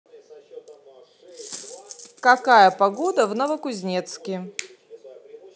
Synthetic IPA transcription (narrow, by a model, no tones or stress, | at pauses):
kɐkajəpɐɡod̪əvnəvəkʊzʲnʲet̪skʲɪ